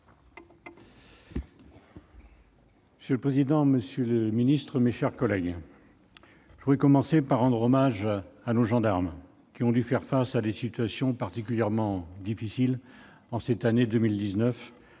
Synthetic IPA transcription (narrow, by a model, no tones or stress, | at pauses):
məsjøləpχezid̪ɑ̃məsjøləminist̪χəmeʃɛʁkɔlɛɡ | ʒəvulɛkɔmɑ̃sepaʁːɑ̃d̪ʁɔmaʒanoʒɑ̃d̪aʁm | kʲiɔ̃d̪yfɛʁfasad̪esit̪ɥasjɔ̃paʁt̪ikʲyljɛʁmɑ̃d̪ifisil | ɑ̃sɛt̪aned̪əmild̪iznœf